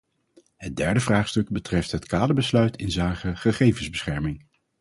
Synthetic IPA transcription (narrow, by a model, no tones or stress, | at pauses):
ɦədɛɹdəvraːχstɵɡ̚bətrɛftɦətkaːdəbəslœɥtʰɪnzaːkəχəχejvənzbəsχɛɹmɪŋ